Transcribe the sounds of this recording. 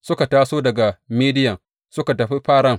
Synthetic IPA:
sʊ˦ka˨taː˦soː˦dɐ˨ɡa˨miː˦dɪ˦jɐ˨ŋ | sʊ˦ka˨tɐ˨ɸi˦ɸaː˦ɽɐ˦ŋ

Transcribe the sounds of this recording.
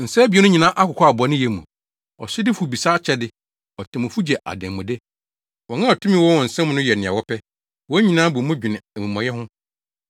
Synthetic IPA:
n̩˨sɛ˦bi˨ɛ˦nʊ̃˦ɲĩ˨nã˦ʔa˦kʊ˨kʰɔ˦a˨bɔ˨˦nɪ̃˦jɛ˨mũ˨ | ɔ̰˨sɪ˦dɪ˦fu˨bi˨saː˦t͡ɕʰɛ˦dɪ˦ | ɔ˨tʰɪ̃˨mʊ̃˨fu˦d͡ʑɛ˨ʔa̰˨dɛ̃˨mʊ̃˨dɛ˦ | wɔ˨ŋã˦˨ɔ˨tʰũ˦mĩ˦wɔ˦wɔ̃˨n̩˨sɛ̃˦m̃˦nʊ̃˦jɛ˨nɪ̃˨a̰˨wɔ˦pʰɛ˦ | wɔ˦ɲĩ˨nãː˦bu˨mʊ̃˦d͡ʑᶣɪ˨nɪ̃˨æ˨mĩ˨mɔ̃˨jɛ˦ɦʊ̃˦

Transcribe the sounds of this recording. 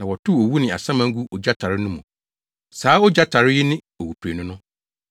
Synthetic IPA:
nã˨wɔ˨tʰʊ˦o˨wu˦nɪ̃˨a̰˨sã˦mã˦ŋ̩˦ɡu˦ʔɔ˨d͡ʑa˦tʰa˨ɾɪ˦nʊ̃˦mũ˨ | saː˨˦ɔ˦d͡ʑa˦tʰa˨ɾɪ˦ji˦nɪ̃˦ | o˨wu˨pʰɾe˨nʊ̃˦nʊ̃˦

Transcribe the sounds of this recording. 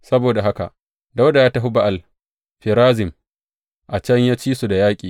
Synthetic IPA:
sɐ˦boː˨da˨ɦa˦ka̰˨ʔ | da˦wda˨jaː˦ta˦ɦu˦ba˦ʔa˨l | ɸɪ˨ɾaː˦zɪ˨m | ʔa˨t͡ʃɐ˦ɲjaː˦t͡ʃiː˦su˨da˨jaː˦kʲʼiː˨

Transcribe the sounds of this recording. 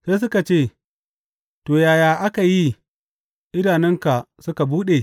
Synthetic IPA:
seː˦s̬ʊ˦ka˨t͡ʃeː˦˨ | toː˨jaː˨jaː˨ʔa˦ka˨ji˦ | ʔɪ˦naː˨nɪ˦ŋka˨ | sʊ˦ka˨buː˦ɗe˨

